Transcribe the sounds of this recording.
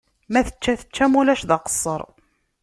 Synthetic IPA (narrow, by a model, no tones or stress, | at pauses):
mæθə̥t͡ʃːæθə̥t͡ʃːæmulæʃðɑqə̥sˤːəɾˤ